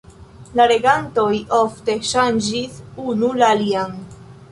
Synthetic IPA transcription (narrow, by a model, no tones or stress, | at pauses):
laɾe̞ɡanto̞jo̞fte̞ʃand͡ʒisunulaːlian